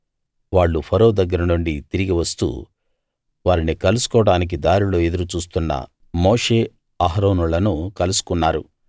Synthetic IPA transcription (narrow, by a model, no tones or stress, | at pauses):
ʋaːɭːupʰɐɾo̞ːd̪ɐɡːɐɾɐnuɳɖit̪iɾiɡiʋɐst̪ṵː | ʋaːɾinikɐlusu̥kɔːɽaːnik̬id̪aːɾulo̞ːed̪uɾut͡ʃuːst̪unːɐ̰ | mo̞ːʂe̞ː | aɦɾoːnuɭɐnukɐlusu̥kunːaːɾṵ